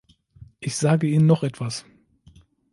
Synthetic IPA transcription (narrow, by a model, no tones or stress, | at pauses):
ʔɪçz̥aːɡəiːnənːɔχʔɛtv̥as